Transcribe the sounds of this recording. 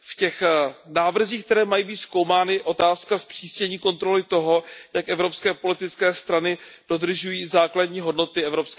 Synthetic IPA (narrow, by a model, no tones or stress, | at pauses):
fcɛxnaːvr̩ziːxk̚t̪ɛɾɛːmajiːbiːt̪sko̞wmaːnɪʔo̞t̪aːskaspr̝̥iːscɛɲiːko̞nt̪ɾo̞lɪt̪o̞ɦo̞jakʔɛvɾo̞pskɛːpo̞lɪt̪ɪt͡skɛːst̪ɾanɪd̥o̞d̪r̩ʒujiːzaːkladɲiːɦo̞dno̞t̪ɪɛvɾo̞psk